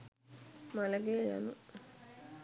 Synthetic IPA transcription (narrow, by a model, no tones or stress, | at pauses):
mɐlɐɡeːja̰nu